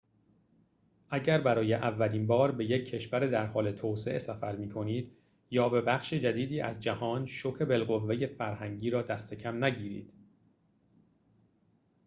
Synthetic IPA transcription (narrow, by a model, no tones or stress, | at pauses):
ʔæɟæɾbæɾɒːje̞ʔævːæliːnbɒːɾbe̞je̞cʰːe̞ʃvæɾed̪æɾhɒːle̞t̪ʰoːse̞ʔesæfæɾmiːkʰo̞niːd̪ | jɒːbe̞bæxʃed͡ʒæd̪iːd̪iːʔæ̰zd͡ʒæhɒːnʃokʰe̞be̞lɣovːe̞je̞fæɾhæŋɟiːɾɒːd̪æst̪ʰe̞cʰæmnæɟiːɾḭːd̪̥